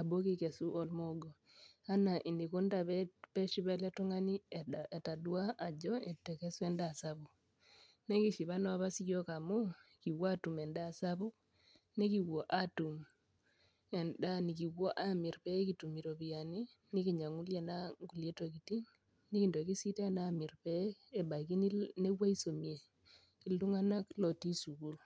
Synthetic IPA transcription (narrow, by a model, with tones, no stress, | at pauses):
a˨bo˦ki˦ke˨su˦ʔɔ˦lmo˦ɡo˨ | a˦na˨ʔi˨ndi˨ko˦nda˨βɛ˦pɛ˦ʃi˦βɛ˦lɛ˦tɔ˦ŋa˦ni˦e˨ta˨dwa˦a˨d͡ʒɔ˦ɛ˨tɛ˨ke˦su˦ɛ˦nda˨sa˦βu˨ | nɛ˦ki˦ʃi˨βa˦nɔ˦a˦βa˦si˦kjo˦ka˨mu˦ki˨wa˦tu˨mɛ˨nda˦˨sa˦βu˦ | ne˦ki˨wo˨ʔa˦tu˨m | ɛ˨nda˦ni˨ki˨wo˦ʔa˦mi˨ɾpɛ˦ki˨tu˨mi˨ɾo˨βia˨ni˦ | ni˦ki˨ɲa˨ŋu˦lje˨na˦ŋɡu˨lje˦to˦ki˨ti˦ŋ | ni˦ki˨ndo˨ki˦si˦te˦na˦mi˨ɾpɛ˦e˨ba˨iki˦ni˦ne˦wa˦i˦so˨mi˨e˨ | ki˨ldu˦ŋa˦na˦klo˨ti˦su˨ku˦l